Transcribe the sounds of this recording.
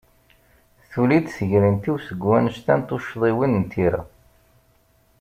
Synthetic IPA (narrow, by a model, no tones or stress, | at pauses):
θulid̪səʝɾint̪iwsəɡwænʃt̪ænt̪uʃðˤiwinnt̪ʰiɾæ̰